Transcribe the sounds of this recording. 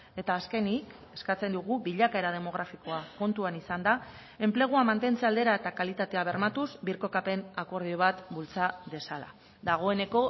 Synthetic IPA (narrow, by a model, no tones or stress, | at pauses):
e̞t̪aːske̞nik | e̞skat͡se̞nd̪uɣ̞uβiʎakae̞ɾað̞e̞mo̞ɣ̞ɾafiko̞ako̞nt̪uanisand̪a | e̞mple̞ɣ̞uamant̪e̞nt͡seald̪e̞ɾae̞t̪akalit̪at̪e̞aβ̞e̞ɾmat̪uzbiɾko̞kape̞nako̞ɾð̞io̞β̞at̪bult͡sad̪e̞sala̰ | d̪aɣ̞o̞e̞ne̞ko̞